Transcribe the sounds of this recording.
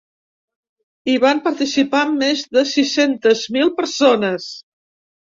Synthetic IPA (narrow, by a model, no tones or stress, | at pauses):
iβampəɾt̪isipaəmːezðəsisent̪əzmilˠpəɾsonəs